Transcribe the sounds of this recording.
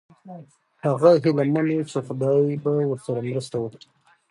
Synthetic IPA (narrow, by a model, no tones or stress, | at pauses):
haɣaɦɪlamanesafd̪ɑbawəɾsaɾamɾəst̪awəkɾi̥